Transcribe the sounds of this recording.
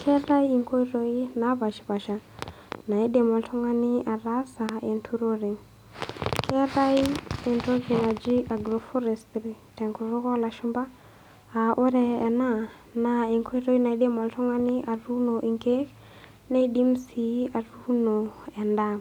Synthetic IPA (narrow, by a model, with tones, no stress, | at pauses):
kʰɛ˦ɾa˦ji˨ŋkʰo˦i˦ɾo˦i˦na˨˦βa˨ʃi̥˨βa˨ʃa˨ | na˨i˦ɗɛ˨mɔ˨ltʰɔ˦ŋa˦nɪ˦ʔa˨ɾa˦sa˨ɛ˨ntʰu˦ɾo˦ɾe˨ŋ | kʰɛ˦ɾa˦i˦ɛ˨nto˦ki˨na˨d͡ʒi˦ʔa˨ɡɾɔ˨fɔ˦ɾɛ˨stɾi˨ | tɛ˨ŋku˨ɾo˦kɔ˦la˨ʃu˦mba˦ | a˨ʔo˦ɾɛ˨ɛ˨na˦˨ | na˨e˨ŋkʰo˦i˦ɾo˦i˦na˨i˦ɗɛ˦mɔ˨ltɔ˦ŋa˦nɪ˦ʔa˨ru˦nɔ˨ʔi˨ŋke˦ | na˦i˦ɗi˦m˦si˨a˨ru˦nɔ˨ɛ˨nda˦